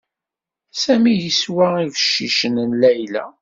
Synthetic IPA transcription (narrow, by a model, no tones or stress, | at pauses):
sæmijiswæivəʃːiʃənnlæjlæ̰